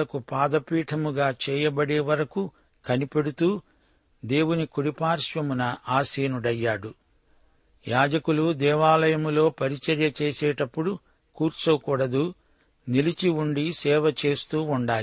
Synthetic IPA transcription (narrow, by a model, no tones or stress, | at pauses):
ɐkupaːd̪ɐpiːʈʰɐmuɡaːt͡ʃɛːjɐbɐɽeːʋɐɾɐku | kɐnipe̞ɽut̪uː | d̪e̞ːwunikuɽipaːɾʃʋɐmunɐʔaːsiːnuɖɐjːaːɽu | jaːd͡ʒɐkulud̪ɛːʋaːlɐjɐmulo̞ːpɐɾit͡ʃɐɾjɐt͡ʃeːseːʈɐpːuɽu | kuːɾt͡ʃɐwkuːɽɐd̪u | nilit͡ʃiuɳɖisɛːʋɐt͡ʃe̞ːst̪uːuɳɖaːi